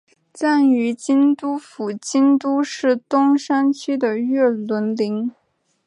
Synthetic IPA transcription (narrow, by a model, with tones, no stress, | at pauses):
t͡sa˥˩ny˧˥t͡ɕi˥nt̪u˥fu˨˩t͡ɕi˥nt̪u˥ʂɻ̩˥˩t̪ʊ˥ŋʂa˥nt͡ɕʰy˥d̪ə˨ɥɛ˥˩lwə˧˥nli˧˥ŋ